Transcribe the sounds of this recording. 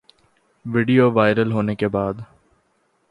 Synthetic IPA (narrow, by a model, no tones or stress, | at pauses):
ʋɪɖioʋaːɪɾəlɦoːnekebaːd̪